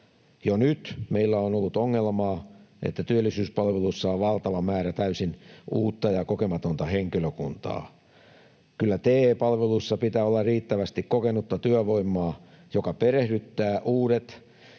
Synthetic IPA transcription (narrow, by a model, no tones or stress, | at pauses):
jonyt̪meilːæonolːut̪oŋːelmɑːʔḛt̪ːæt̪yølːisyːspɑlʋelusːɑoʋʋɑlt̪ɑʋɑmæːɾæt̪æysinuːt̪ːɑjɑkokemɑt̪ont̪ɑheŋkiløkunt̪ɑ̰ː | kylːæt̪eːpɑlʋeluisːɑpit̪æːolːɑrriːt̪ːæʋæst̪ikkokenut̪ːɑt̪yøʋoimːˑɑː | jokɑperehdyt̪ːæːʔuːɾet̪